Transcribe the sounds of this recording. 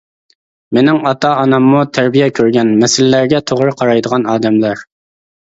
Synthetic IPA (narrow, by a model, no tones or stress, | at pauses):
menɪŋɑt̪ɑːnɑmːut̪ʰæɾbijɛkʲʰøɾɡʲɛnmɛsɪlːæɾɡʲɛt̪ʰoʁɾɨqʰɑɾɑjd̪əʁɑnɑːd̪ɛmlæɾ